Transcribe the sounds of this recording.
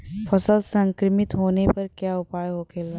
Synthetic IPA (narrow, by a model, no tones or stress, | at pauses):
fʰɐsəlsɐ̃ŋkɾɪmɪt̪ɦoːnepɐɾkjaːʊpaːjɦoːkʰeːla